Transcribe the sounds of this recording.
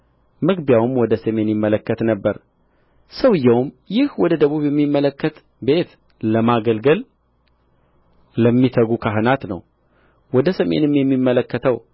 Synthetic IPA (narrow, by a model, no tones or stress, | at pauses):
mɨɡbjawɨmwɔd̪əsəme̞njɪmːələkːət̪nəbːəɾ | səwɨjːɛwm | jɪhwɔd̪əd̪əβuβjɛmːimːələkːət̪ | be̞t̪ | ləmaɡəlɡəl | ləmːit̪ʰəɡukʰaɦɨnat̪nəw | wɔd̪əsəmḛnɨmjɛmːimːələkːət̪ʰəw